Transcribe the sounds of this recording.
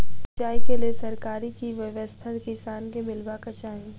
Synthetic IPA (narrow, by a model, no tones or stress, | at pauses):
sɐt͡ʃaːikeliesɐɾkaːɾikiʋɐʋəst̪ʰəɾkɪsaːnkebɪlbakɐt͡ʃaːẽː